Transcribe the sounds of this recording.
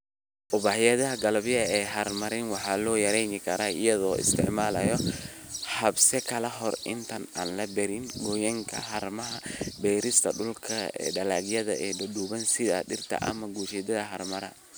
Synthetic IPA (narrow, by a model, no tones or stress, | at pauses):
ʔʊβaħɪjɐðɐɦɐɡɐlɐβjɐɛːɦɐrmɐɾɪnwɑħɑːlɔːjɐɾɛjnɪkʰɐɾaːɪ̰jɐðɔːɪ̰st̪ʰɪʕmaːlɐ̰jɔ | hɐbsɛkʰɐlɐɦɔrɪ̰nt̪ʰɐnaːnlɐbɛɾɪnɡɔjɐŋkʰɐ̰ɦɐɾmɐɦɐbɛjɾɪst̪ʰɐ̰ɗʊlkʰɐɛ̰ːɖɐlaːɡjɐðɐ̰ʔɛːdɔduːβɐnsɪða̰ɗɪrt̪ʰɐ̰ʔɐ̰mɐɡuːʃɛd̪ɐðɐɦɐrmɐɾɐ̰